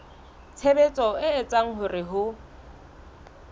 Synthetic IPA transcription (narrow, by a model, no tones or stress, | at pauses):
t͡sʰebet͡sʼɔɪːt͡sʼaŋ̩ɦʊrɪɦʊ